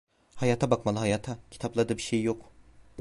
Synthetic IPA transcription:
hajaːt̪ʰabakmalˠɯhajaːt̪ʰacʰi̥t̪ʰaplˠad̪ɯbiʃejjo̞k

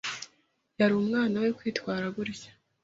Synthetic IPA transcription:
jaɾuumŋaːnawekwiːtwaːɾaɡuɾijḁ

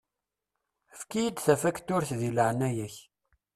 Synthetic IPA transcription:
əfkijid̪θæfækt̪ːʊɾθðiləʕnæjæç

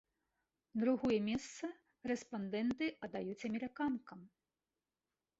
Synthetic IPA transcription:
d̪ɾuɣɔjɛmʲɛst̪sɐ | rɛspand̪ɛnt̪ɨʔɐd̪ajut͡sʲɐmʲɛɾɨkankɐm

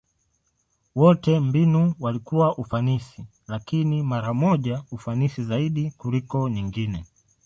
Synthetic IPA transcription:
wɔtɛm̩binuwalikuwaʔufanisi | lakinimaɾamɔʄaufanisizaiɗikulikɔɲiŋɡinɛ

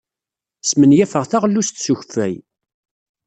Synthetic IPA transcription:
smənjæfəʁθaʁlːust̪suçfæj

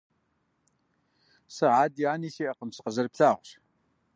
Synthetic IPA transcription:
sɨʕaːdiaːniːsiːʔɐqəmsqəzɐrpɬaːʁʷɕ

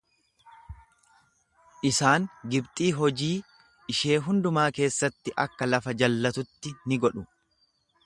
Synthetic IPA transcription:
ʔɪsaːŋɡɪbt̪ʼiːɦɔd͡ʒiː | ɪʃe̞ːɦʊnd̪ʊmaːke̞ːsːɐt̪ːɪʔɐkːɐlɐfɐd͡ʒɐlːɐt̪ʊt̪ːɪnɪɡɔᶑʊ

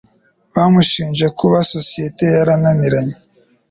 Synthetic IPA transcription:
βamuʃiːnʒekuβasosijete̞jaɾananiɾaɲe

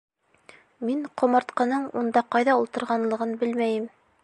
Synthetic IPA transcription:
miɴqʰŏmɑɾt̪qɤ̆nɤɴund̪ɑqɑjðɑulˠt̪ɤ̆ɾʁɑnlˠɤ̆ʁɤnbɘlmæjɘm

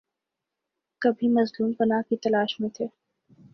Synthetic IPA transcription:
kɐbʱimɐzluːmpɐnakit̪ɐlaːʃmẽt̪ʰeː

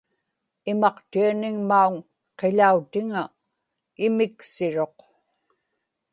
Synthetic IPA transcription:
ɪmɑqt̪ianɪŋmauŋ | qeʎaut̪ɪŋa | ɪmɪksɪɻo̞q

